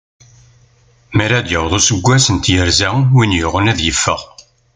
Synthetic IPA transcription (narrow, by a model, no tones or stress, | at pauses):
məɾæd̪jəwðˤusəɡʷːæsənt̪jəɾzæwinjʊʁənæðjəfːəʁ